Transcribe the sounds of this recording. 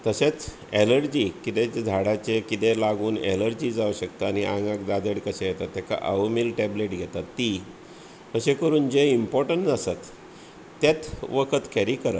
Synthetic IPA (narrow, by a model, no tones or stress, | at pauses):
t̪əset͡s | eləɾd͡ʑikit̪et͡sd͡zʱaɽat͡sekit̪elaɡuːneləɾd͡ʑiːd͡zauɕəkt̪aañiʔãŋɡãk̚d̪ad̪əɽkəsejɛt̪at̪ːjaka̰ʔə̰ʋmilʈɛbleʈɡʱɛt̪at̪ːi | məɕekəɾuːnd͡ʑeimpɔɾʈəɳtasat̪ː | at̪ʋəkʰət̪kɛɾikəɾət̪